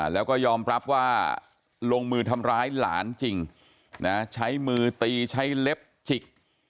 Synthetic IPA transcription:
lɛː˦˥wkɔː˥˩jɔː˧mɾa˦˥p̚waː˥˩ | loː˧ŋmɯː˧t̪ʰa˧mɾaː˦˥jla̰ː˩˦nt͡ɕi˧ŋ | na˦˥t͡ɕʰa˦˥jmɯː˧t̪iː˧t͡ɕʰa˦˥jle˦˥p̚t͡ɕʰi˨˩k̚

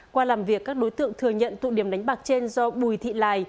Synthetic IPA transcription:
kwaː˧laː˨˩mvi˨˩əkːaː˦˥k̚ɗo˨˦jt̪ɨ̰˧˨əŋt̪ʰɨ˨˩əŋɲə̰˧˨nt̪ṵ˧˨ɗi˧˩əmɗa˨˦jŋ̟ɓaː˨˩k̚t͡ɕe˧nzɔ˧ɓu˨˩jt̪ʰḭ˧˨laː˨˩j

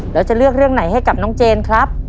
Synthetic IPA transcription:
lɛː˦˥wt͡ɕa˨˩ʔlɯ˥˩ək̚ɾɯ˥˩əŋna˩˦jɦa˥˩jka˨˩p̚nɔː˦˥ŋt͡ɕeː˧nkʰɾa˦˥p̚

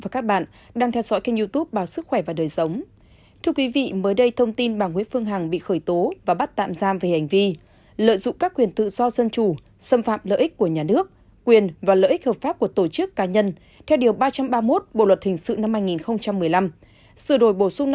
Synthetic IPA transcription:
aː˨˩kaː˦˥k̚ɓa̰ː˧˨n | ɗaː˧ŋt̪ʰɛ˧wzɔ̰˧˥jka˧ŋzu˧t̪u˦˥p̚ɓaː˨˦wsɨ˦˥k̚xwɛ˧˩vaː˨˩ɗəː˨˩jsə˨˦wŋ͡m | t̪ʰɨ˧əkwi˨˦vḭ˧˨məː˨˦jɗə˧jt̪ʰə˧wŋ͡mt̪i˧nɓaː˨˩ŋhwi˨˦ənfɨ˧əŋɦa˨˩ŋɓḭ˧˨xəː˧˩jt̪o˨˦vaː˨˩ɓa˦˥t̚t̪a̰ː˧˨mzaː˧mve˨˩ha˨˩ŋ̟vi˧ | lə̰ː˧˨jzʊ̰˧˨ŋ͡mkaː˦˥kːwi˨˩ənt̪ɨ̰˧˨z̥ɔ˧zə˧nt͡ɕu˧˩ | sə˧mfa̰ː˧˨mlə̰ː˧˨ʔi˦˥k̟̚kːu˧˩əɲaː˨˩nɨ˦˥ək̚ | kwi˨˩ənvaː˨˩lə̰ː˧˨ʔi˦˥k̚həː˨˩p̚faː˦˥p̚ku˧˩ət̪o˧˩t͡ɕɨ˦˥kːaː˨˦ɲə˧n | t̪ʰɛ˧wɗi˨˩əwɓaː˧t͡ɕa˧mɓaː˧mo˦˥t̚ɓo̰˧˨lwə˨˩t̚hï˨˩ŋ̟sɨ̰˧˨na˧mhaː˧jŋi˨˩nxə˧wŋ͡mt͡ɕa˧mːɨ˨˩əjla˧m | sɨ˧˩əɗo˨˧˩jɓo˧˩sʊ˧ŋ͡m

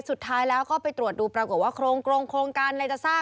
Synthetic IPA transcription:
su˨˩t̪ʰːaː˦˥jlɛː˦˥wkɔː˥˩pa˧jt̪ɾu˨˩ət̪̚duː˧pɾa˧ko˨˩t̪̚waː˥˩kʰɾoː˧ŋkʰɾoː˧ŋkʰɾoː˧ŋkaː˧nɾa˧jt͡ɕa˨˩saː˥˩

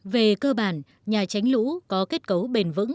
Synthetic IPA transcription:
ve˨˩kəː˧ɓaː˧˩n | ɲaː˨˩t͡ɕa˨˦jŋ̟lṵ˧˥kɔ˨˦ke˦˥t̚kə˨˦wɓe˨˩nvɨ̰˧˥ŋ

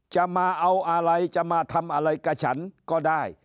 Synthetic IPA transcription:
t͡ɕa˧˩maː˧ʔa˧wʔa˧ɾa˧jt͡ɕa˧˩maː˧t̪ʰa˧mʔa˧ɾa˧jkaː˧˩t͡ɕʰa̰˦˥nkɔː˥˩daː˥˩j

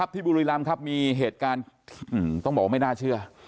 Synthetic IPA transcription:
a˦˥p̚t̪ʰiː˥˩buː˧ɾiː˧la˧mkʰa˦˥p̚miː˧ɦeː˨˩t̪̚kaː˧nʰ˩ɯː˨˩t̪ɔ˥˩ŋbɔː˨˩k̚ma˥˩jnaː˥˩t͡ɕʰɯ˥˩ɐ

